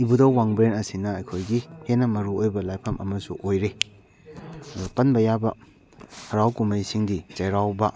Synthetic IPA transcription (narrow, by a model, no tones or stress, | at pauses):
ibudɐwwaŋbɾenɐsinɐːjkʰojɡihenɐmɐɾuojbɐlajpʰɐmɐmɐsuʔojɾe | ɐdupɐnbɐjabɐ | hɐɾawkumɐjsiŋdit͡ʃɐjɾawbɐ